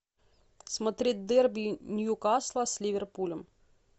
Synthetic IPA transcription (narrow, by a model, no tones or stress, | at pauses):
smɐt̪ɾʲit̚ʲd̪ɛrbʲinʲjukaslˠɐsʲlʲiʋʲɛrpulʲɛm